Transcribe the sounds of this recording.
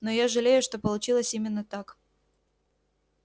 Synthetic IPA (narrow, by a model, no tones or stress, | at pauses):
nojaʐɨlʲejʊʂt̪o̞pəlˠʊt͡ɕilˠəsʲimʲɪnːət̪ak